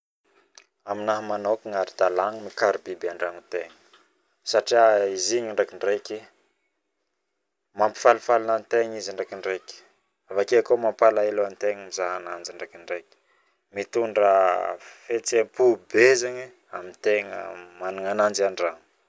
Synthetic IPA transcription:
aminaɦmanokiŋaɾid̪̥alaŋəmikaɾibibaɳɖ͡ʐaŋit̪eŋə̥ | saʈ͡ʂiaiziɲaɳɖ͡ʐakiɳɖ͡ʐejki | mampi̥falufalunant̪eŋizaɳɖ͡ʐakiɳɖ͡ʐeki̥ | avakeakomampalaeloant̪eŋəmizaɦanand͡ʒaɳɖ͡ʐakiɳɖ͡ʐejki̥ | mit̪uɳɖ͡ʐəfet͡sempubezaɲi | amint̪eŋə̰manuŋanand͡ʒaɳɖ͡ʐaŋ

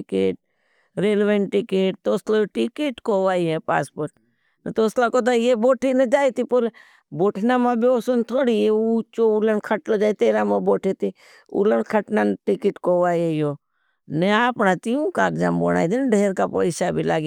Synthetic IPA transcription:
ɪkeːʈ̚ | ɾeːlʋẽɳʈʈɪkeːʈ̚t̪oːsloʈɪkeːʈkoʋaːiɦɛpa̰ːspoːɾʈ̚ | net̪oːslakot̪̬ajeboːʈʰined͡ʒaːit̪ipʊɾ | boːʈʰnamãbʱioːsont̪ʰoːɽieut͡ʃoulənkʰəʈlod͡ʒaːit̪eːɾamãboːʈʰit̪i | ṵlənkʰɐʈnanʈɪkɪʈkoʋaːiejoː | neaːpnat̪iũkaːkd͡ʒa̰mbo̰ɽa̰ːid̪inɖʱeːɾkapə̰ɪʃabʱilaːɡi

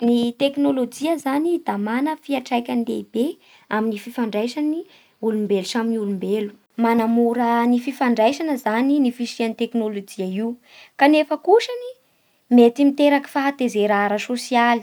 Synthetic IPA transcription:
nit̪eknolod͡ʒiəzanid̪̥amanəfiaʈ͡ʂajkʲanlḛib̥e | aminififaɳɖ͡ʐajʃani | ulumbelusaminiulumbelu̥ | manamuɾənififaɳɖ͡ʐajʃanəzaninifiʃianit̪eknolod͡ʒiaiu | kanefəkuʃani | met̪imit̪eɾaki̥faɦat̪ezeɾaɾasosiali̥

